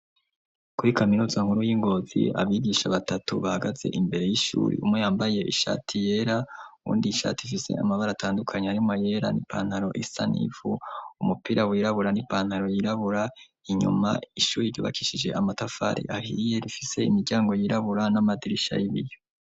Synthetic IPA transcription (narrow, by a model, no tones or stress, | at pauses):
kuɾikʰaminuːzaŋhuɾujiŋɡo̞ːzḭa̰βiɡiʃaβatatuβahaɡaze̞̰ʔimbe̞ɾe̞jiʃṵːɾḭumŋejaːmbaje̞ʔiʃa̰ːtʰije̞ɾauwṵːndiʃa̰ːtiifise̞̰a̰maβaɾatʰaːndukʰaɲeaɾimŋaje̞ɾa̰nipʰaːn̥haɾo̞ʔisa̰nḭvuumupiɾawiɾaβuɾanipaːnhaɾo̞jiɾaβuɾa | iɲṵma̰iʃuːɾiɾɟoβa̰kiʃid͡ʒe̞ʔamatafa̰ɾḭʔahḭje̞ɾifise̞imiɾɟaːŋɡo̞jiɾaβuɾanamadiɾiʃa̰iβḭjo